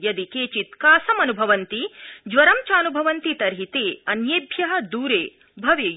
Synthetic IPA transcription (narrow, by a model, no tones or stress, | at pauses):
jɐd̪ikeːt͡ʃit̪kaːsɐmɐnubʱɐʋɐnt̪id͡ʒʋɐɾɐmt͡ʃaːnubʱɐʋɐnt̪it̪ɐɾɦit̪eːɐnjeːbʱjɐɦɐ̆d̪uːɾeː | bʱɐʋeː